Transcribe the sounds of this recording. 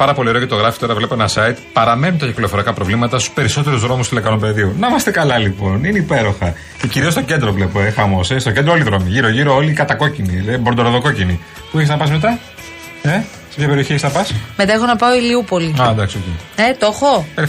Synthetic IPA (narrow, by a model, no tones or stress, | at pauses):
pɐɾɐpo̞lie̞ɾocet̪oɣɾɐfi̥t̪o̞ɾɐvle̞po̞enɐsɐit̪pɐɾɐme̞nunt̪ɐcikliofo̞ɾiɐkɐpɾovlimɐt̪ɐst̪u̥spe̞ɾiso̞t̪e̞ɾuzðɾo̞must̪ilekɐnompe̞ðiunɐmɐst̪ekɐlɐlipo̞nineipe̞ɾo̞xɐ | ceciɾiost̪o̞ɟe̞nd̪ɾo̞vle̞poexɐmo̞sest̪o̞ce̞nd̪ɾoo̞liðɾo̞miʝiɾoʝiɾo̞olikɐt̪ɐko̞cinileibo̞ɾnd̪oɾoðo̞ko̞cini | pueçesnɐpɐsme̞t̪ɐ | e | se̞pçɐpeio̞çieçesnɐpɐsmet̪ɐexonɐpɐoiliupo̞liɐd̪ɐksiociet̪o̞xopeɾ